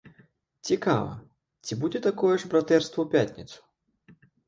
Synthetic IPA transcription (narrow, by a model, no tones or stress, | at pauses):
t͡sʲika̰vɐ̰ | t͡sʲibud͡zʲɛt̪akɔjɛʐbɾat̪ɛrst̪vɐwpʲat̪ʲnʲit̪su̥